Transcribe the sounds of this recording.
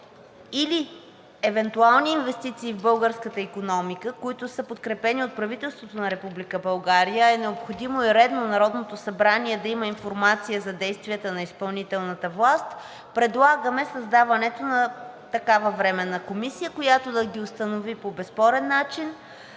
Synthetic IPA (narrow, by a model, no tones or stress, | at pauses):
ili | ɛvɛnt̪ualˠniːnvɛst̪it̪siːvbɤlˠɡəɾskət̪əikonɔmikəkoit̪ʊsəpot̪kɾɛpɛniot̪̚pɾɐvit̪ɛlˠst̪vot̪onɐɾɛpublikəbɐlˠɡaɾijəɛnɛopxod̪imoiɾɛd̪nonɐɾɔd̪not̪osɐbɾaniɛd̪ɐiməinfoɾmat̪sijəzɐd̪ɛjst̪viət̪ənɐispɐlˠnit̪ɛlˠnət̪əvlˠast̪ | pɾɛd̪lˠaɡəmɛsɐzd̪avɐnɛt̪onɐt̪ɐkavəvɾɛmɛnɐkomisijəkojat̪od̪ɐɡʲiost̪ɐnovipobɛspɔɾɛnːat͡ʃin